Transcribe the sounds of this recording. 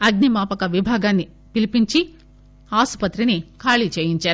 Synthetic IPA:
ɐɡnimaːpɐkɐʋibʱaːɡaːnːi | pilipiɲt͡ʃi | aːspɐt̪ɾinikʰaːɭit͡ʃeːjiɲt͡ʃaːɾ

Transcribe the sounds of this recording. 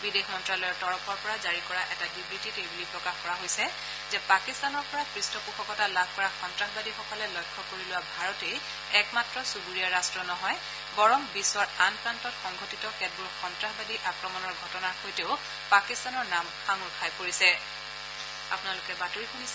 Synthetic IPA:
bidexmɔntɹalɔjɔtɔɹɔpʰɔɹpɔɹazaɹikɔɹaʔɛtabibɹititebulipɹɔkaxkɔɹaɦojsɛ | zɛpakistanɔɹpɔɹakɹistɔpukʰɔkɔtalabʱkɔɹaxɔntɹaxbadixɔkɔlɛlɔjkʰːɔkoɹilʊwabʱaɹɔtej | ɛkmatɹɔsuɡuɹijaɹastɹɔnɔɦɔj | bɔɹɔmbiswaɹanpɹantɔtxɔŋɡʱotitɔkɛd̚buɹxɔntɹaxbadiʔakɹɔmɔnɔɹɡʱɔtɔnaɹxojteʊ | pakistanɔɹnamxaŋukʰajpoɹisɛ | a̰pʊnalʊkɛbatuɹixʰunis

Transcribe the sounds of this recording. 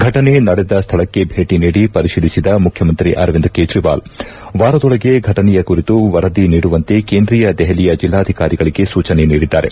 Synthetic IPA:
ɡʱɐʈɐne̞nɐɽed̪ɐst̪ʰɐɭɐkːe̞bʱeːʈiniːɽipɐɾiʃiːlisid̪ɐmukʰjɐmɐnt̪ɾiʔɐɾʋind̪keːd͡ʒɾiʋa̰ːl | ʋaːɾɐd̪ɔɭɐɡe̞ɡʱɐʈɐnɛjɐkuɾit̪uʋɐɾɐd̪iniːɽuʋɐnt̪e̞keːnd̪ɾijɐd̪ɛɦɐlijɐd͡ʒilːaːd̪ʱikaːɾiɡɐɭiɡe̞suːt͡ʃɐneniːɽid̪ːaːɾe̞̰

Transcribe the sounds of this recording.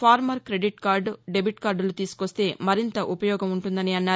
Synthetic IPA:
pʰaːɾmɐɾkɾe̞ɖiʈkaːɾɖɖebiʈkaːɾɖlut̪iːsu̥kost̪e̞ːmɐɾint̪ɐʔupɐjɔːɡɐmuɳʈund̪ɐniɐnːaː

